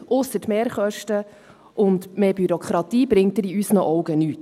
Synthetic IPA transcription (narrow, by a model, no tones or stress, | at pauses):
ʔʊsːətmeːɾχœʃtə | ʔʊnd̪meːbyɾɔkχɾɑtiːbɾɪŋt̚dɪɾiysnəʔɔwɡənyːt